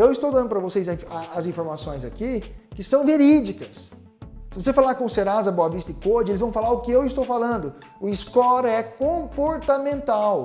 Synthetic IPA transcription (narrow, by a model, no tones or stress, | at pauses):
ewɪst̪owd̪ɐ̃nʊpɾɐvosejzɐĩaːzĩfoɾmasõj̃zakikɪsɐ̃w̃veɾid͡ʒikɐs | sɪvosefalaɾkõʊseɾazɐboavist̪ɐɪkod͡ʒɪelɪzvɐ̃w̃falaɾʊkɪewɪst̪owfalɐ̃nd̪ʊ | ʊɪskɔɾɛkõpoɾt̪amẽnt̪aw